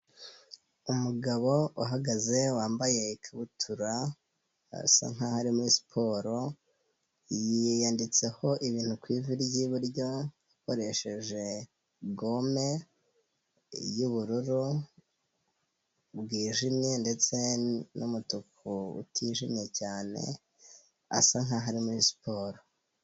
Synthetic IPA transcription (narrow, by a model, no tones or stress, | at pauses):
umuɡaβo̞uɦaɡaze̞waːmbaje̞ikʰaβutʰuɾa | a̰sa̰ŋ̥hahaɾimuɾisi̥pʰo̞ɾo̞ | jijandit͡se̞ho̞ʔiβiːn̥ukwiːviɾɟiβuɾɟo̞jiko̞ɾe̞ʃe̞ʒe̞ | ɡo̞me̞ | juβuɾuɾu | bɡiːʒimijende̞t͡se̞numutukuṵtʰiʒimijecaːnḛ | a̰saŋaɦaɾimuɾisi̥pʰo̞ːɾo